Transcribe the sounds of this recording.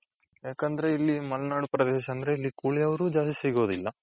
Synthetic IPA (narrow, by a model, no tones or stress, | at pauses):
jaːkɐnd̪ɐɾe̞ilːimɐlnaːɽupɾɐd̪ɛːʃɐːnd̪ɐɾeilːikuːɭijɐʋɐɾuːd͡ʒaːst̪isiɡo̞ːd̪ilːɐ